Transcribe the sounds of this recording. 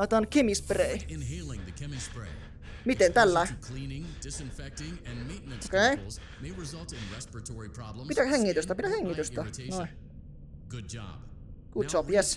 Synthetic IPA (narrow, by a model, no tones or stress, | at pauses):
et̪ɑnkemispreiɪ̃nɦeɪlˠɪ̃ŋðɨkʰɛ̃mispɹḛɪ | mit̪ent̪ælːæikʰl̥ĩnɪ̃ŋdɪsɨ̃ɱfɛk̚tɪ̃ŋɨ̃nmenɨ̃nokei | meɪɹɨzʌlˠtɨ̃nɹɛspɹətʰɔɹipʰɹ̥ɑblə̃mpit̪æheŋːit̪yst̪ɑpidæheŋːit̪yst̪ɑnoi | ɡ̥ʊd̚d͡ʒɑ̰b̥ | ɡ̥udt͡ʃɑpjes